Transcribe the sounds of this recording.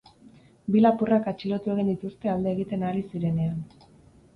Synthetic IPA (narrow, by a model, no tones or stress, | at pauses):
bilapurakat͡ʃilo̞t̪ue̞ɣ̞ind̪it̪ust̪e̞ald̪e̞ːɣ̞it̪e̞naɾisiɾe̞ne̞an